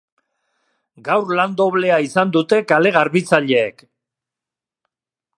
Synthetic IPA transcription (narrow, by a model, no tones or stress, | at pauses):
ɡawɾland̪o̞βle̞aisand̪ut̪e̞kale̞ɣ̞aɾβit͡saʎe̞ːk